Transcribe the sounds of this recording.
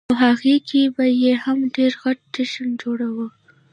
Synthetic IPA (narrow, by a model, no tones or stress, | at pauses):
ɦaɣikʰebajehamɖeɾɣaʈ̚ʈɪʃand͡ʒoɽawə